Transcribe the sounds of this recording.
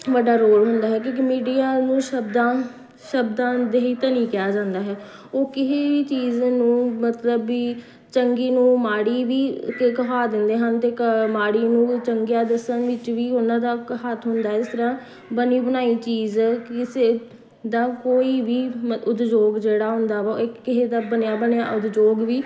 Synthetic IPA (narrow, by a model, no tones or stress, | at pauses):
ʋəɖaːɾoːlɦʊnd̪aːɦɛːkõːkmiːɖiːjaːnũːʃəb̚d̪ãː | ʃəbd̪ãːd̪eːiːt̪ənĩːkɪjaːd͡ʒãːnd̪aːɦɛː | oːkɪɦeːiːt͡ʃiːznũːmət̪ləbiː | t͡ʃəŋɡiːnũːmaːɽiːʋiːkekəɦaːd̪ɪnd̪eːɦənt̪eːkəmaːɽiːnũːt͡ʃəŋɡjaːd̪əsənʋɪt͡ʃʋiːʊnãːd̪aːɦət̪ʰɦʊnd̪aːɦɛɪst̪əɾãː | bəniːbənaːiːt͡ʃiːzkɪseː | d̪aːkoːiːʋiːmʊt̪d͡ʒoːɡd͡ʒeːɽaːɦʊ̃nd̪aːʋaːɪkkɪseːd̪aːbənjaːbənja̰ːʔʊt̪d͡ʒoːɡʋiː